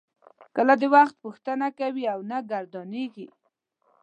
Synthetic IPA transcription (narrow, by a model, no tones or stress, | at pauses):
kəlad̪əwaxt̪̚puxt̪anakawiawnaɡaɾd̪ɑneɡi